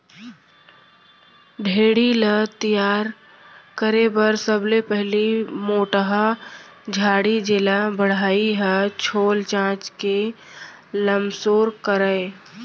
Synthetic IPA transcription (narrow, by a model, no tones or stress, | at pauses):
ɖʱeːɽilət̪ijaːɾ | kəɾebəɾsəblepɛɦlimoːʈəɦad͡ʒʱaːɽid͡ʒelabəɽ̤aːiɦɛt͡ʃʰoːlt͡ʃãːt͡ʃke | ləmsoːɾkəɾəe